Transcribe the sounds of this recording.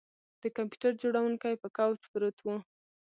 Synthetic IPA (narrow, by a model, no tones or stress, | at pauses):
d̪̥əkampju̥ʈaɾd͡ʒoɽawuŋkajpəkawt͡ʃbɾət̪wu